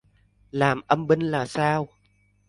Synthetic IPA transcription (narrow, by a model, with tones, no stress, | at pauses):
laː˨˩mʔə˧mɓə˧ŋlaː˨˩saː˧w